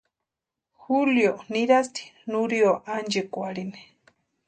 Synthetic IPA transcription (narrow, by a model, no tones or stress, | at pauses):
xuljoniɾast̪i̥nuɾioʔand͡ʒekwaɽine̥